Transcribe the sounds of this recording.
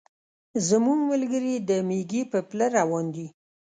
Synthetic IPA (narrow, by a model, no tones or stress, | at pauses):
zəmuŋɡməlɡəɾid̪əmeɡipəpləɾawɑnd̪i